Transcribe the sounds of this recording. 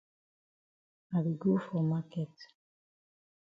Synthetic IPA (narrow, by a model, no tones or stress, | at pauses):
aðiɡufomaket̪